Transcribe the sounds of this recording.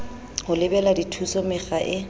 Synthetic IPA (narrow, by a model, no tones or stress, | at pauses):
hʊlɪbɛladitʰusɔmɪχaʔɪ